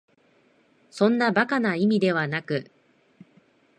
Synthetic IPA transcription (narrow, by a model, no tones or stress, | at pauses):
sõ̞nːabakanaimʲid̪e̞β̞anakɯ̟